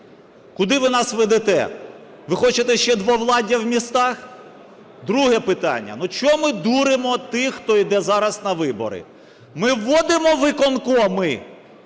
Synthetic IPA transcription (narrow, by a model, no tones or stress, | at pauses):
kʊd̪ɪʋɪnɑsʋɛd̪ɛt̪ɛ | ʋɪxɔt͡ʃet̪ɛʃt͡ʃɛd̪ʋɔʋlˠɑdʲɐwmʲist̪ɑx | d̪ɾuɦɛpɪt̪ɑ̰nʲːɐ̰nut͡ʃɔmɪd̪uɾɪmɔt̪ɪxt̪ɔid̪ɛzɑɾɐsnɐʋɪbɔ̰ɾɪ̰ | mɪʋːɔd̪ɪmɔʋɪkɔnkɔmɪ